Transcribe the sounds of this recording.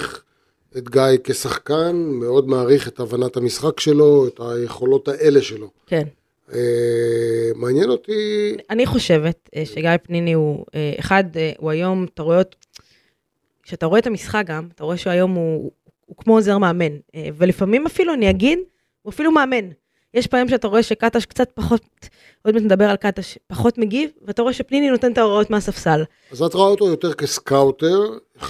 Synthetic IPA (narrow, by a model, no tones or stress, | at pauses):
χ | et̪ɡajke̞saχkanmeo̞d̪maːʁiχetavanathamisχakʃe̞lo̞et̪aje̞χo̞lo̞t̪haʔe̞le̞ʃelo̞ken | e | maːnjeno̞t̪ianiχo̞ʃe̞ve̞tʃeɡajpnimiueḛχadeuajo̞mataʁoet | kʃeataʁoeet̪amisχak̚ɡamat̪aʁoeʃeajo̞muː | kmo̞ozeʁmeːme̞neve̞lifamimafiluaniaɡid | uafilumeːme̞n | jeʃpajomʃeataʁo̞e̞ʃekataʃkt͡sat̚paχo̞t | od̪mat̪med̪abe̞ʁalkat̪aʃpaχo̞t̪meɡivveat̪aʁo̞eʃepninino̞te̞nt̪aoʁao̞tmeasafsala | azat̪ʁoaot̪ojot̪eʁkeskawt̪eʁ